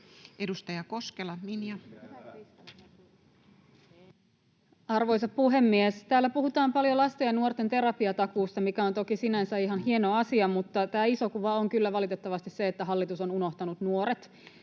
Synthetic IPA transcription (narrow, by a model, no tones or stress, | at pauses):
ʔedust̪ɑjɑko̞skelɑminjɑ | ɑrʋo̞jsɑppuɦe̞mːiest̪æːlːæpuhut̪ɑːmpɑljolɑst̪ejɑnuort̪e̞nt̪e̞ɾɑpiɑt̪ɑkuːst̪ɑmikæont̪o̞kisinænsæiɦɑnɦie̞noɑsiɑmut̪ːɑt̪æːiso̞kuʋɑoŋkylːæʋɑlit̪e̞t̪ːɑʋɑst̪isse̞et̪ːæɦɑlːit̪uso̞nuno̞ht̪ɑnut̪nuo̞ɾet̪